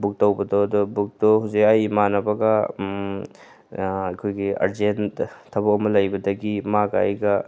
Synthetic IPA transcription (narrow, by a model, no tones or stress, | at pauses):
buk̚tɐwbɐdɔdɔbuk̚dɔhuwzikajmanɐbɐɡɐ | ɐkʰojɡia̰ɾzenttʰːɐbɐkɔmɐlɐjbɐdɐɡimaɡaa̰jɡɐ